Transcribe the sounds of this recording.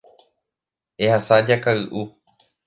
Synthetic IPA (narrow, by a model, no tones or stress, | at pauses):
e̞hasad͡ʒakaɨʔu